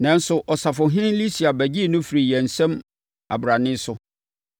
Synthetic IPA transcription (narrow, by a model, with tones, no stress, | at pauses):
nã˨˦n˦sʊ˨ʔɔ˨sa˨fʊ˨ɦɪ̃˦li˦si˨a˨bæ˨d͡ʑi˦˨nʊ̃˦fi˨ɾi˨jɛ˨n̩˨sɛ̃˦m | a̰˨bɾa˨nɪ̃˦sʊ˦